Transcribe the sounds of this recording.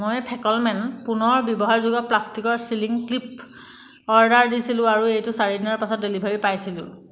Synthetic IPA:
mojpʰɛkɔlmɛnpunɔɹbjɔbɔɦaɹzuɡɔplastikɔɹsiliŋklip | ɔɹdaɹdisilʊ̃aɹuejtʊsaɹidinɔɹpasɔt̚delibʱaɹipajsilʊ̰̃

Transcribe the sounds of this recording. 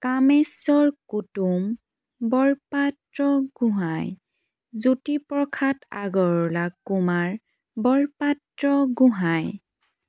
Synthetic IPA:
kamɛsɔɹkutum | bɔɹpatɹɔɡ̥uɦaj | zutipɹɔkʰata̰ɡɔɹlakːumaɹ | bɔɹpatɹɔɡʊ̃ɦaj

